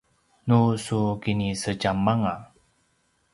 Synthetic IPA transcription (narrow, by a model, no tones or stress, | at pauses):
nusukinisəd͡ʒamːaŋa